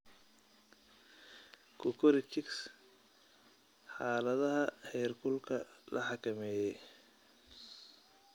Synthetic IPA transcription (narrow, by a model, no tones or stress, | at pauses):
kʰʊkʰʊɾɪt͡ʃʰɪks | ħɑːlɐðɐɦɐhɛjrkʰʊlkʰɐlʔɐħɑkʰɐmɛːjɛj